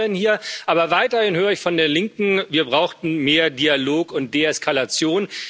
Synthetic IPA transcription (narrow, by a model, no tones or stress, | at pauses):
ənhiːɐʔaːbɐvaɪtɐhɪnhøːʁ̞əɪçfɔndeːnlɪŋkŋ̩viːɐbʁaʊxtn̩meːɐdialoːkʊnt̚d̥eːɛskʰalat͡sjoːn